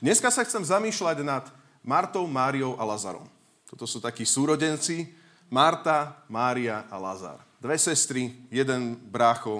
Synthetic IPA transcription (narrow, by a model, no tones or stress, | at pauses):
d̪ɲɛskasaxt͡sɛmzamiːʃlaɟnat̪ | maɾt̪ɔʊmaːɾijɔʊʔalaza̰ɾɔ̰m | t̪ɔt̪ɔsuːt̪akiːsuːɾɔɟɛnt͡si | maɾt̪amaːɾiaʔala̰za̰ɾd̪ʋɛsɛst̪ɾijɛd̪ɛnbɾaːxɔ